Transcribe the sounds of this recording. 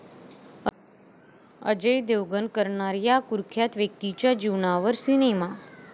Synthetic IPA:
ə̰d͡ʒəjd̪eʋɡənkəɾɳaɾjakuɾkʰjat̪ʋjək̚t̪it͡ɕad͡ʒiʋnaʋəɾsinema

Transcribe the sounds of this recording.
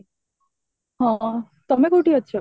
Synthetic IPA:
ɦɔ̃ | t̪omekoʈiɦotːɕʰɔ

